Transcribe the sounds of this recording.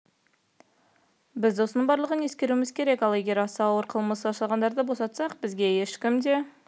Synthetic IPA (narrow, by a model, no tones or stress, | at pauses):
bɪzo̞sənəɴbɑɾlˠəʁənje̞skʲe̞ɾuɪmɪz̥kʲʰe̞ɾe̞kɑlˠe̞ɡʲe̞ɾɑsɑɑwəɾqʰəlˠməsəɑʃɑlˠʁɑnd̪ɑɾd̪əbo̞sɑt̪sɑqbɪzɡʲe̞jeʃkʲɪmd̪e̞